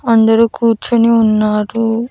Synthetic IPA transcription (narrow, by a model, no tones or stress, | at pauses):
ɐnd̪ɐɾuːkʰuːɾt͡ʃɐniunːaːɾu